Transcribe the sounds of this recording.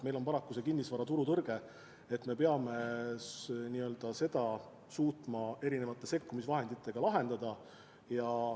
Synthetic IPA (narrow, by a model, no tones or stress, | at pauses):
me̞jlo̞npɑɾɑkːuse̞kinːisvɑɾɑt̪uɾut̪ɤrɡ̥e̞ | et̪ːme̞pe̞ɑme̞ | niːø̞ld̪̥ɑse̞d̪̥ɑ | suːt̪ˑmɑe̞ɾine̞vɑt̪ˑːe̞se̞kːumisvɑɦe̞nd̪it̪ːˑe̞ɡ̥ɑlɑɦe̞nd̪̥ɑd̪ɑ | jɑ